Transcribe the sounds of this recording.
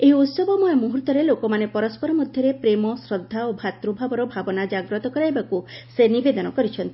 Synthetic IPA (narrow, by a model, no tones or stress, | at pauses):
eɦiut̪sɔbɔmɔemuɦuɾt̪ɔɾelokɔmanepɔɾɔspɔɾɔmɔd̪ʱjɔɾepɾemɔsɾɔd̪ʱːaobʱat̪ɾubʱabɔɾɔbʱabɔnad͡ʒaɡɾɔt̪ɔkɔɾajbakusenibed̪ɔnɔkɔɾit͡ʃʰɔnt̪ii